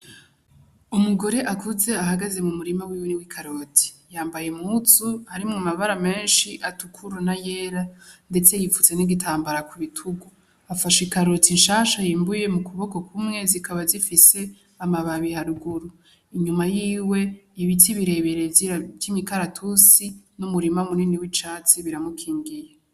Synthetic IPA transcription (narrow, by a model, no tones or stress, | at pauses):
umuɡo̞ɾe̞ʔakuze̞ahaɡaze̞mumuɾimawiweniwikʰaɾotʰi̥jaːmbaje̞mut͡suhaɾimŋamaβaɾame̞ːnʃiʔatukʰuɾunaje̞ːɾande̞t͡se̞jifut͡se̞niɡitʰaːmbaɾakuβitʰuɡu | afaʃikaɾotinʃaːʃajiːmbuje̞mukʰuβo̞ko̞kʰumŋe̞zikʰaβazifise̞ | amaβaβihaɾuɡuɾu | iɲumajiːwe̞iβitiβiɾe̞βe̞ɾevimikaɾatʰusinumuɾimamuniniwit͡ʃaːt͡siβiɾamukʰiːŋɡije